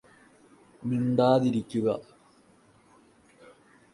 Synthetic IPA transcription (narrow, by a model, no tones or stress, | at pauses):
miɳɖaːðiɾikʲːuɣɐ